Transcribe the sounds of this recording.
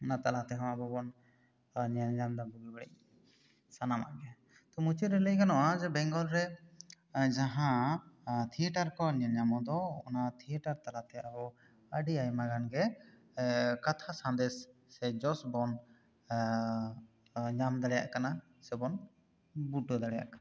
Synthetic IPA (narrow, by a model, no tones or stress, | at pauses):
ɔnat̪alat̪ɛɦɔ̃wabɔbɔn | ɲɲamd̪abɔbibaɽɛ̰ʔ̚ | sanama̰ʔɡɛ | t̪ɔmut͡ʃiɾɛləjkanɔʔad͡ʒɛbɛŋɡɔlɾɛ | d͡ʒaɦã | t̪ʰiɛʈaɾkɔɲɛɲamɔd̪ɔɔnat̪ʰiɛʈaɾt̪aɾat̪ɛabɔ | əɖiajmaɡanɡɛ | kat̪ʰasãnd̪ɛsː | ɛd͡ʒɔsbɔn | ɲamd̪aɽɛja̰ʔkana | sɛbɔn | buɖɔd̪aɽɛja̰ʔkana